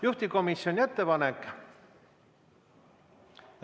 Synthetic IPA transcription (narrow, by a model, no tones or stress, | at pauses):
juht̪iko̞misjo̞nʲie̞t̪ːe̞pɑnekːˑ